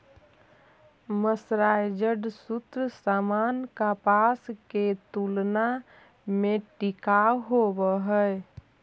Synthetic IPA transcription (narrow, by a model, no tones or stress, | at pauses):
məsɾajd͡ʒəɖsut̪ɾəsamankapasket̪ulna | meʈikaɦobəɦəj